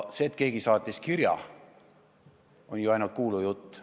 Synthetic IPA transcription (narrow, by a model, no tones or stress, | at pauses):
seːt̪̚ke̞ːɡ̥isɑːt̪ʲːˑiskiɾjɑ̰ | o̞nʲjuɑjnult̪̚kuːlujut̪ː